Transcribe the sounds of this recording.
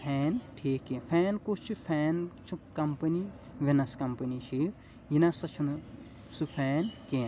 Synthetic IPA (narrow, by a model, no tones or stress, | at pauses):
pʰɛːnʈʰiːkːẽpʰɛːnkut͡ʃʰupʰɛːnt͡ʃʰukɐmpɐni | ʋinɐskɐmpɐnit͡ʃʰi | jinɐsɐt͡ʃʰun | supʰɛːnkeː